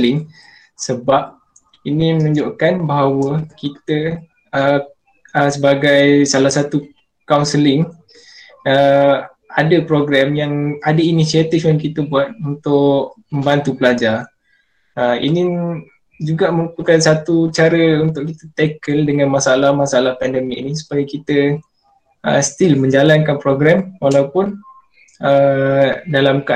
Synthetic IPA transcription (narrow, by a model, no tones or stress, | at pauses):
lɪŋ | səbap̚ | inimənuɲd͡ʒoʔkanbaɦawəkit̪ə | ə | əsəbaɡajsalahsat̪u | kawnsəlɪŋ | ə | adəpɾoɡɾɛmjaŋadəinisiat̪ifjaŋkit̪əbuat̪̚unt̪ʊʔkmə̃mbant̪upəlad͡ʒar | əḭni | d͡ʒuɡaməŋukukansat̪ut͡ʃaɾəunt̪ʊʔkit̪ət̪ɛkəldəŋãnmasaalahmasaalahpɛndəmikinisu̥pajəkit̪ə | ə̰st̪ilmə̃ɲd͡ʒalankanpɾoɡɾɛmwalawpʊn | ə | dalamka